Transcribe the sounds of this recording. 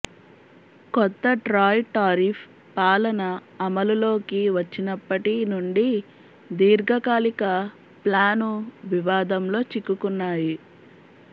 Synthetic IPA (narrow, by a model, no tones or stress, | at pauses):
kɔt̪ːɐʈɾaːjʈaːɾipʰ | paːlɐnɐ | ɐmɐlulo̞ːkiʋɐt͡ʃːinɐpːɐʈinuɳɖi | d̪iːɾɡʱɐkaːlikɐ | plaːnuʋiʋaːd̪ɐmlo̞ːt͡ʃikːukunːaːji